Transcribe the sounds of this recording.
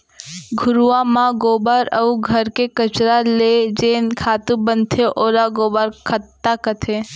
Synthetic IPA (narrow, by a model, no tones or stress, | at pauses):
ɡʱʊɾuʋãmãɡoːbaɾəuɡʱɐɾkekət͡ʃɾaled͡ʒeːnkʰaːt̪ũbənt̪ʰeʔoːɾaɡoːbaɾkʰət̪ːakət̪ʰe